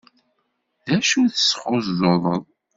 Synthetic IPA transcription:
ðæʃuθə̥sə̥χozðoðˤəðˤ

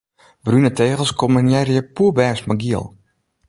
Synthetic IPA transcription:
brynəteːɣəl̩ˠskomənjɛrjəpuəbɛːsmaɡiəlˠ

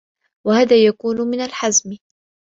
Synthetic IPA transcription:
wahaːðaːjakuːnmɪnalħazm

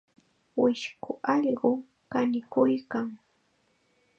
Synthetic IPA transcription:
wɪʃkʊʔɑʎɢʊ | kanɪkʊjkaŋ

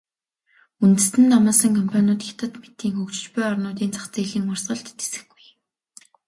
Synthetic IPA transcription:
unt̪ɘ̆sɘ̆nt̪amaːsə̆ŋkʰɔmpʰanʊːt̪xɪt̪ə̆t̪met̪iːŋxɵkt͡ɕɪ̆t͡ɕpʊjɔrnʊːt̪̬iːnt͡sʰḁχt͡seɮiːŋʊrsɢə̆ɮt̪ːe̥sɘ̆xɡuj

